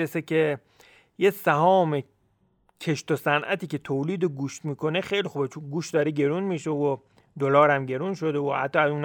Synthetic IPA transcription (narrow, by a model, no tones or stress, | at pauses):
esekʲʰe | jesæhɒːme | cʰe̞ʃt̪osænʔæ̰t̪iːce̞t̪ʰoːliːd̪oɡuːʃt̪miːkʰo̞nexejlixubet͡ʃʰunɡuːʃt̪̚d̪ɒːɾeɟe̞ɾunmiːʃeo | d̪olɒːɾæmɟe̞ɾuːnʃo̞d̪eohæ̰t̪ːɒːæzuːn